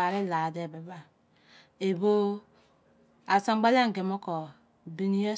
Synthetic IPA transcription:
a˨ɾe˦la˨de˦˨be˨ba˨ | e˨bo˦ | a˨sa˦ɡ͡ba˦la˦ŋ̩˨ɡe˨mo˦kɔ˨ | bi˨ni˦je˦

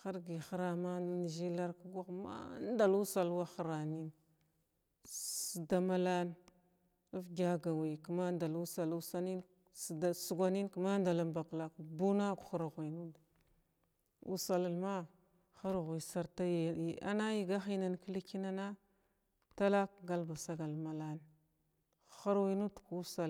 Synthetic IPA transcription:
xa˦ɾɡi˨xa˦ɾa˦ma˦n˦n˨ʒi˦la˦ɾku˦ɡa˦˨ma̰˦nda˨lu˦sa˨lwa˦xa˨ɾa˨ni˦n | si˨da˨ma˦la˦n | a˦fɡʲa˦ɡa˨wi˨kma˦nda˨lu˦sa˨lu˦sa˦ni˦n˨ | da˨su˨ɡʷa˨ni˦nkma˦nda˨la˦mba˨kla˦kbu˦na˦ku̥˨xu˦ɾɣʷi˨nu˦da˨ | ṵ˦sa˨la˨ma˦ | xa˦ɾɣʷi˨sa˨ɾta˦je˨a̰˦na˦ji˨ɡa˦xi˦na˨nki˦li˦ki˦na˦na˦ | ta˦la˦k̚ɡa˦lba˨sa˦ɡa˨lma˨la˦n | xa˦ɾwi˦nu˦dku˦sa˨l

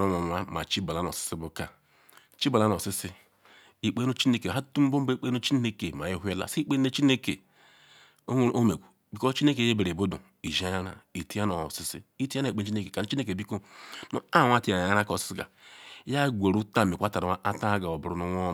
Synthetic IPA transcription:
o˦nʷo˨n˨˦a˦ma̰˨t͡ʃi˦ba˨la˨˦no̰˨si̥˦si˦bu˦ka˨ | t͡ʃi˦ba˨la˦no˨si˦si˦ | i˦k͡pe˦o˦t͡ʃi˦ne˦ke˨ɦa˦tu˦m̩˦bo˦m˦ba˦k͡pe˦no˦t͡ʃi˦ne˦ke˨ma˨ji˦ɦe˦la̰˨si˦k͡pe˦ne˦t͡ʃi˦ne˦ke˨ | o˦wʷe˦ɾʔo˦me˨kʷu˨ | bi˨ko˦t͡ʃi˦e˦ke˨je˦be˨ɾe˨bo˦dṵ˨ | i˨ʒa˦ja˦ɾa̰˨i˨ti˦a˦no˨si˦sḭ˦i˦ti˦a˦na˨k͡pe˦t͡ʃi˦e˦ke˨ka˨no˨˦t͡ʃi˦ne˦ke˨bi˦ko˦no̰˨a˦˨wʷa˦˨ti˦a˨a˦ɾa˦ko˦˨ssi˦ɡa̰˨˦ja˦ɡʷe˨ɾu˦ta˦˨me˨kʷa˦ta˨ɾa˨˦a˦ʔa˦ta˦ɡa˨o˨bu˨ɾu˨˦nu˦ŋʷo˦

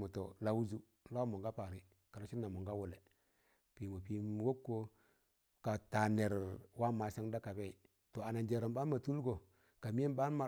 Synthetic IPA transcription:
mu˨to˨la˨wu˦zu˦ | la˦mo˨ŋɡa˦pa˨ɾi˦ | ka˨lo˦ʃi˦nːa˨mo˨ɡa˦wu˨le˨ | pi˨mu˨pi˨˦wo˦kːo˦ | ka˨ta˨ne˨ɾwa˦ma˨sa˦ŋda˦ka˨be˦i˨ | to˨a˨na˨nd͡ʒe˨ɾa˨mba˦n˦ma˨tu˦lɡo˨ | ka˨mi˦e˦n˦ba˦n˦ma˨

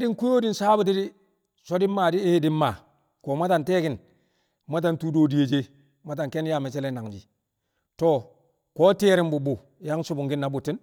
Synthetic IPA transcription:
a˦di˦ŋku˦jo˦di˦nsaː˦bu˦t̬i˦di˦ | so˦di˦mːa˨di˦di˦mːa˨ | ko˨ma˦ta˨nte˦ki˨n | ma˦t̬a˨ntu˦doː˦˨di˨je˨d͡ʒe˦ | ma˦t̬a˨ŋke˦nja˦˨me˨t͡ʃe˦le˦na˨ŋd͡ʒḭ˨ | to˦ | ko˦ti˦ɾi˦mbu˨bu˨ | ja˦ŋsu˦bu˨ŋɡi˦nːa˨bu˨tːi˦n

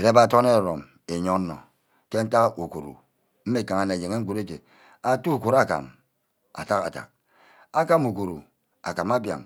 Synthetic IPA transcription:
e˨ɾe˦ba˦to˦ne˦˨ɾo˨m | e˨ɲo˦n̩˦nɔ̰˨ | ke˦n̩˦ta˦kʔu˨ku˨ɾṵ˨ | m̩˦me˦˨ka˨ŋa˨ne˨je˨ŋe˦ŋ̩˦ku˨ɾe˦te˨ | a˦tu˦u˨ku˨ɾa˦˨ka̰˨m | a̰˨ta˦ka̰˨ta̰˨k̚ | a˦ka˦mu˨ku˨ɾu˨ | a̰˨ka˨ma˦bja̰˨ŋ

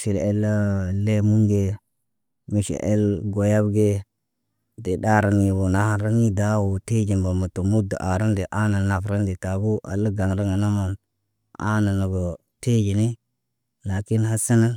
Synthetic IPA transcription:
ʃi˨le˦lle˦mu˦ŋɡe˨ | mi˨ʃḭ˨ʔḛ˦lɡo˨ja˦bɡe˦ | de˨ɗa˦ɾa˨ni˨bo˨na˦ha˨nɾa˦ni˦da˦wo˨te˦d͡ʒi˨mba˨ma˨to˨mu˦da̰˨ʔa˨ɾa˦nde˨ʔa˦na˨na˨fɾa˦nde˨ta˨bu˦ʔa̰˨lːa˦ɡa˨ŋɾa˦ŋa˨na˦ma˨n | a̰˦na˨na˨ɡo˨ | te˦d͡ʒi˨ni˦ | la˨ki˦nha˦sa˦na˦

